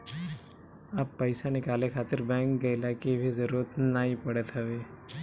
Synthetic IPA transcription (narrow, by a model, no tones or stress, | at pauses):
aːpːəɪsanɪkaːlekʰaːt̪ɪɾbɛ̃ŋk̚ɡɐɪlakibʱizəɾuːɾət̪naːɦipɐɽət̪ɦaʋeː